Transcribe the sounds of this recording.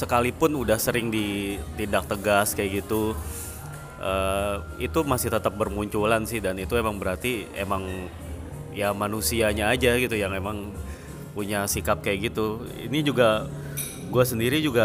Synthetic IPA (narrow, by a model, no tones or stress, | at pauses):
səkalipʊnudahsəɾɪŋdit̪indak̚t̪əɡaskajaʔɡit̪u | ʔəːit̪umasɪht̪ət̪əp̚bərmuɲt͡ʃulansɪhdanit̪uemaŋbəɾart̪iḛmaŋ | jamanusiaɲaːd͡ʒaɡit̪ujaŋemaŋ | puɲasikap̚kajaʔɡit̪u | ḭnid͡ʒuɡa | ɡuasəndiɾid͡ʒuɡa